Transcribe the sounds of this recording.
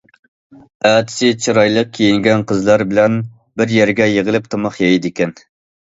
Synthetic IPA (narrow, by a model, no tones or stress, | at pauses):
æːt̪ʰɪ̥sɪt͡ʃʰiɾɑjlˠəq̚kʲʰejiŋɡʲɛnqʰəzlˠɑɾbɪlɛn | bɪɾjɛɾɡʲɛjeʁəlˠɪp̚t̪ʰɑmɑχjɛjd̪ɪkʲɛn